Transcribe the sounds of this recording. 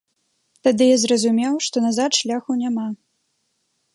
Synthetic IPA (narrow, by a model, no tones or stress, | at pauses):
t̪ad̪ɨjazɾɐzumʲɛwʂt̪ɔnazat̪ʂlʲaxɐwnʲama